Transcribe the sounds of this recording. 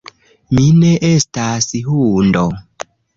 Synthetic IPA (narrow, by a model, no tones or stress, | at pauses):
mineʔestasihundo